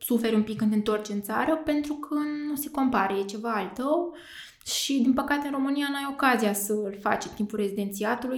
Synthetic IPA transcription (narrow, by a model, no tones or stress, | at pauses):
sufe̞ɾʲumpikːɨnt̪eɨnt̪o̞rt͡ʃɨnt̪sa̰ɾəpe̞nt̪ɾukʰənuseko̞mpaɾəjet͡ʃe̞vaalt̪əw | ʃid̪inpəkat̪e̞ɨnro̞mɨnijanuajo̞kazijasəɨlfa̰t͡ʃet̪impulre̞zid̪e̞nt̪siat̪uluj